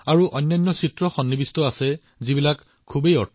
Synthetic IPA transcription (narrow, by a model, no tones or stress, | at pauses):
aɹuʔɔjnːɔnːɔsitɹɔxɔnːibistɔasɛ | zibilakʰː | ubejɔ